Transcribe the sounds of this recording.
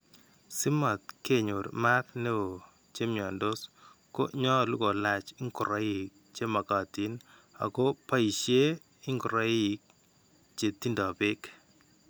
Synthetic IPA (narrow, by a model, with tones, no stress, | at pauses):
sɪ˦ma˨t̚ke˦˨ɲo˨ɾma˦tne˦o˨ | t͡ʃe˦mjɔ˨ndo˦s | ko̰˦ɲɔ˦˨lu˦ko˨la˨t͡ʃɪ˦ŋkʊ˨ɾa˦i˨k̚t͡ʃe˦ma˨ka˨ti˨˦n | a̰˨ko˦pa˦i˨ʃje˦ | ɪ˦ŋɡu˨ɾa˦i˦˨k̚ | t͡ʃe˨ti˦ndɔ˨pɪ˦k